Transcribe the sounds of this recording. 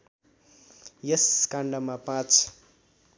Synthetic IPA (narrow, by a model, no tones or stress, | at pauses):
jeskaɳɖamapãt͡s